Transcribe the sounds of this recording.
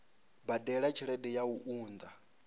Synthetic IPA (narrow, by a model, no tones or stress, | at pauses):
badɛɺat͡ʃʰiɺɛdɛjauʔuːnd̪a